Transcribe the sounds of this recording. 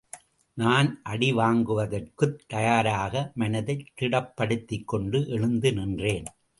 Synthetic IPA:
naːnʔɐɽɪʋaːŋɡɯʋɐðɐrkɯt̪ːɐjaːɾaːɣɐmɐnɐðɐɪt̪ːɪɽɐpːɐɽɯt̪ːɪkːɔɳɖɯʔɛɻɯnd̪ɯnɪndreːn

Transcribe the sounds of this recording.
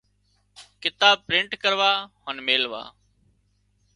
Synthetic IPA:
kɪt̪aːb̚pɾɪɳʈkəɾʋaːhənmeːlʋa̰ː

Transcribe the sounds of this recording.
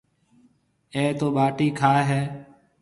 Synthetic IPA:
ẽːt̪oːɓaːʈiːkʰaːɦeː

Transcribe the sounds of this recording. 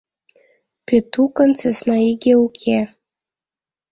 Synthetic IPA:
pet̪ukɤ̆nt͡sesnɑiɡʲeukʰe

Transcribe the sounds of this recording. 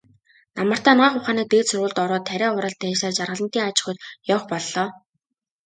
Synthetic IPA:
namə̆r̥t̪æːnaːχʊχaːniːk̚p̪eːt̪sʊrʁʊːɮt̪ɔɾɔːt̪ʰːæɾʲæːʊɾə̆ɬt̪æːʃaːt͡ɕarʁə̆ɮə̆nt̪iːŋat͡ɕɪ̥̆χʊːt̪jɔːχpɔɮːɔː

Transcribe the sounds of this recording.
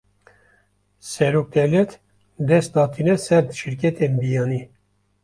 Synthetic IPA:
sɛɾok̚t̪ɛlɛt̪ | d̪ɛst̪̚d̪ɑːt̪ʰinɛsɛɾd̪ʃiɾkɛt̪ʰembijɑːni

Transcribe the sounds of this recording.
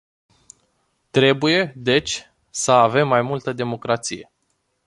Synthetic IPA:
t̪ɾe̞buje̞d̪e̞t͡ʃʲ | səave̞mːajmult̪əd̪e̞mo̞kɾat̪sije̞̰

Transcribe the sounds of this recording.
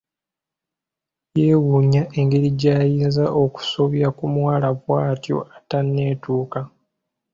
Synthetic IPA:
je̞ːwuːɲaʔe̞ŋɡe̞ɾiɟaːjiːnzaʔo̞ku̥soβjakumwaːlaβwaːtjo̞̰atanːe̞ːtuːka

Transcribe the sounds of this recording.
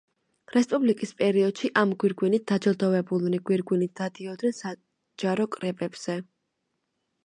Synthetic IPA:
ɾɛspʼublikʼispʼɛɾiɔd̪̥ʃiʔamɡwiɾɡwinit̪̚d̪̥ad͡ʒɔd̪ɔvɛbulˠniɡwiɾɡwinit̪̚ʰd̪̥ad̪iɔd̪nɛnsa | d͡ʒaɾɔkʼɾɛbʼɛbz̥ɛ

